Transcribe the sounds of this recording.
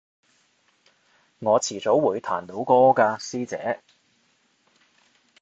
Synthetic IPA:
ŋɔː˨˧t͡sʰiː˨˩t͡so˨˥wwuː˨˧jt̪ʰa̰ː˨˩nt̪o˨˥wkɔː˥kaː˧siː˥t͡sɛ̰ː˨˥

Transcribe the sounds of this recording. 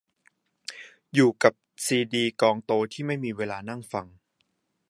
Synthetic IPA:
juː˨˩ka˨˩p̚siː˧diː˧kɔː˧ŋt̪oː˧t̪ʰiː˥˩ma˥˩jmiː˧weː˧laː˧na˥˩ŋfa˧ŋ

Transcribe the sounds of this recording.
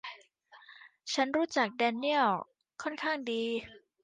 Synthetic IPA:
t͡ɕʰa˦˥nɾuː˦˥t͡ɕa˨˩k̚dɛː˧ni˥˩əw | kʰɔ˥˩nkʰaː˥˩ŋdiː˧

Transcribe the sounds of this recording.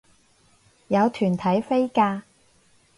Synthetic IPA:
jɐ˨˧wt̪ʰyː˨˩nt̪ʰɐ˨˥jfe˥jkaː˧

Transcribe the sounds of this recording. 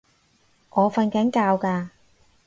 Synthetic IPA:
ʔɔː˨˧fɐ˧nkɐ˨˥nkaː˧wkaː˧

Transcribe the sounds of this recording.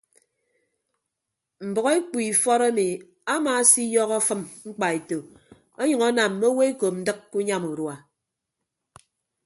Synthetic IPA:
m̩˨bʌ˨ɣe˦k͡pʷi˨fɔ˦ɾa˦mi˨ | a˦maː˨˦si˦jɔ˦ɣɔ˦fɨ˦mŋ͡m̩˦k͡pa˨e˨to˨ | o˦ɲʌ˨ŋɔ˦na˨mː˨o˦we˦e˦ko˨n̩˦dɨ˦kːu˦ɲa˦mu˨ɾwa˨

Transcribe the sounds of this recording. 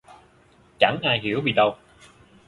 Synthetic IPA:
t͡ɕa˧˥˦ŋʔaː˧jɦi˧˦əwvi˨˩ɗə˧w

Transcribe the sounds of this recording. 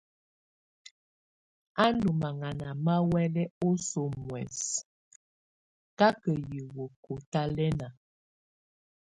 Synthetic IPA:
a˦ndu˨ma˨ŋa˨na˨ma˦wɛ˦lɛ˦o˦so˨mwɛ̰˨s | ka˦kə˨ji˨wo˨ko˨ta˦lɛ˦na˨

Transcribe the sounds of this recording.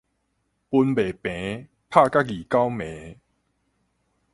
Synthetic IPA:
pu˧nbe˨˩pẽ˨˦ | pʰa˥˧ka˦˥ɡi˨˩ka˦wmẽ˨˦

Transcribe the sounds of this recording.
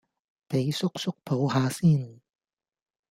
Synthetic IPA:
pe˨˥jsʊ˥k̚sʊ˥k̚pʰo˨˥wɦaː˨˧˥siː˥˩n

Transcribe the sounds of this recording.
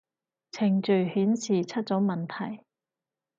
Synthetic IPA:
t͡sʰɪ˨˩ŋt͡ʃɵ˨˩ɥhyː˨˥nsʰiː˨˩t͡sʰɐ˥t̚t͡sɔː˨˥mɐ˨nt̪ʰɐ˨˩j

